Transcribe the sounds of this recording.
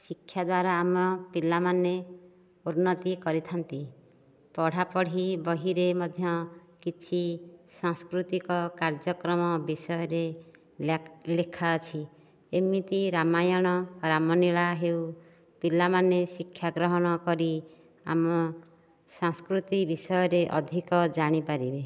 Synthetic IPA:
sikʰːjad̪waɾaːmɔpilamane | uɾnːɔt̪ikɔɾit̪ʰɔnt̪i | pɔɽ̤apɔɽ̤ibɔɦiɾemɔd̪ʱjɔkit͡ʃʰisãŋskɾut̪ikɔkaɾd͡ʒɔkɾɔmɔbisɔjɔɾe | lekʰaːt͡ʃʰi | emit̪iɾamajɔɽ̃ɔɾamɔniɭaɦeuw | pilamanesikʰːjaɡɾɔɦɔɽ̃ɔkɔɾi | a̰mɔ | sãŋskɾut̪ibisɔjɔɾeʔɔd̪ʱikɔd͡ʒaɽ̃ipaɾibe

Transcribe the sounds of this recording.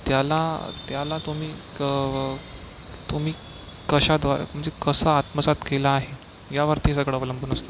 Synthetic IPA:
t̪jalat̪jalat̪um̤iːə | t̪um̤iː | kəɕad̪ʋaɾə̰m̤əɳd͡zekəsəat̪məsat̪kelaːɦe | jaʋəɾt̪is̬əɡɭəʋələmbəunəst̪o

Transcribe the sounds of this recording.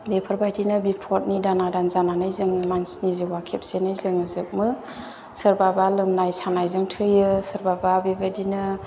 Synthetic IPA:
bepʰɯɾbajdinɯbipʰɔt̚nidanadanzananɯjzɯŋmansnizɯwakʰep̚senɯjzɯŋɯzɯk̚mɯ | sɯɾbabalɯmnajsanajzɯŋtʰɯjɯsɯɾbababebadinɯ

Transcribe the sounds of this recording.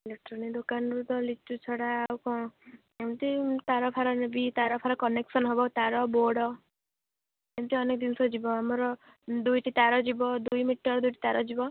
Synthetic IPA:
leʈɾɔnid̪okanɾud̪ɔlit͡ʃut͡ʃʰɔɽaːwkɔ̃ | emt̪it̪aɾɔpʰaɾɔnebit̪aɾɔpʰaɾɔkɔneksɔnɦɔbɔt̪aɾɔboɽɔ | emt̪iɔnek̚ɔd̪insɔd͡ʒibɔamɔɾɔ | d̪ujʈit̪aɾɔd͡ʒibɔd̪ujmiʈːɔɾd̪ujʈi̥t̪aɾɔd͡ʒibɔ

